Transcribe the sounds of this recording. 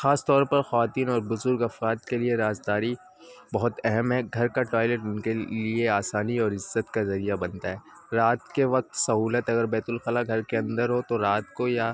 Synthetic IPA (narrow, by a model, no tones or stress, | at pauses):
xaːst̪ɔːɾpɐɾxɐʋaːt̪iːnɔːɾbʊzʊɾɡɐfɾaːd̪̚kelieɾaːzd̪aːɾi | bɐɦʊt̪ɛɦɛmɦɛɡʱɐɾkaʈɔːɪleːʈʊnkelieaːsaːniɔːɾɪzːət̪kazɐɾijabɐ̃nt̪aɦɛː | ɾaːt̪keʋɐk̚t̪sɐɦuːlət̪ɐɡəɾbɛːt̪ʊlxɐlaɡʱɐɾkeɐ̃nd̪əɾɦot̪oɾaːt̪̚koja